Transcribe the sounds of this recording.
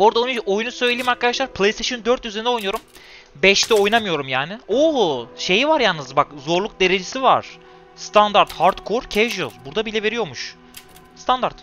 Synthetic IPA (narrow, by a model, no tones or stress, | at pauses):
oɾd̪anojunusø̞jlʲelʲiːmaɾkʰad̪aʃlˠaɾpʰlˠejst̪ʰeʃond̪øɾt̪jyzeind̪ɛojnujo̞ɾum | bɛʃt̪ʰɛo̞jnamɯjo̞ɾumjaːnɪoʃe̞jivaɾjannɯzbakzo̞ɾlˠuk̚d̪e̞ɾe̞d͡ʒesiva̰ɾ̥ | st̪ʰand̪aɾt̪haɾt̪kʰo̞ɾcʰɛvd͡ʒubuɾd̪abilʲɛve̞ɾijo̞ɾmuʃ | st̪ʰand̪aɾt̪